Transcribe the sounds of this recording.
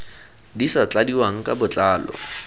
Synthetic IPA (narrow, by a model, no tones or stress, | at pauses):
disat͡ɬadiwaŋ̩kʼabʊt͡ɬʼaːlɔ̰